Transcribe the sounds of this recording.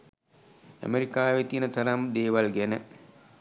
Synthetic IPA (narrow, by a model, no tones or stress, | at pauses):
æ̰meɾikaːʋet̪iːnət̪ɐɾamd̪eːʋalɡɛnə